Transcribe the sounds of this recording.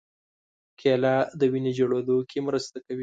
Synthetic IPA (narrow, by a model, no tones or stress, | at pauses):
kʰelɑd̪əwined͡ʒoɽod̪okʰemɾəst̪akawi